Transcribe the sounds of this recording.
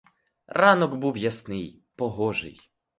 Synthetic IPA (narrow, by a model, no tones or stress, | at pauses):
ɾʔanɔɡbuvʲjɛsnɘj | pɔɣɔʐɘ̰j